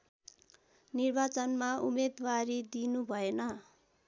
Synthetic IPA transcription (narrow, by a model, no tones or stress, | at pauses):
nirbat͡sʌnmaumed̪waɾid̪inubʱʌenʌ